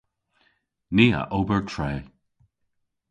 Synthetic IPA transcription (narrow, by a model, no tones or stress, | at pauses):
niːa̰ʔoːbəɹtʰɹeː